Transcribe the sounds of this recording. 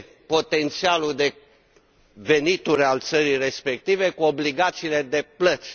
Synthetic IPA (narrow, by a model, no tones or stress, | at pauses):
po̞t̪e̞nt̪sialud̪e̞ | ve̞nit̪uɾʲalt̪səɾire̞spe̞k̚t̪ive̞kuobliɡat̪siːle̞d̪e̞plət̪sʲ